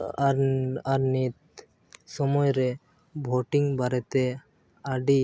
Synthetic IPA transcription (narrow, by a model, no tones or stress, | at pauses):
aɾaɾnit̪̚ | sɔmɔjɾe | bʱoʈiŋbaɾɛt̪e | aɖi